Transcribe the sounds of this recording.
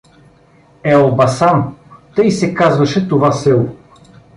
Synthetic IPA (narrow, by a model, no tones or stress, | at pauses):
ɛobɐsamt̪ɤjsɛkazvɐʃɛt̪ovasɛlˠ